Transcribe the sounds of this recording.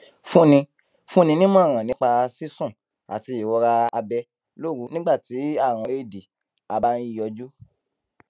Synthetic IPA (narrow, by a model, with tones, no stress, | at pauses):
fũ˦nĩ˧ | fũ˦nĩ˧nĩ˦mɔ̃˦˨ɾ̃ã˨nĩ˨˦k͡pa˧si˦sũ˦˨ | a̰˨ti˧i˨wɔ˧ɾa˧a˧bɛ˧ | lo˦˨ɾu˨˦nĩ˦ɡ͡ba˦˨ti˨˦a˦˨w̃ɔ̃˧e˦˨di˨ | a˧ba˦n˦i˦˨jɔ˧d͡ʒu˦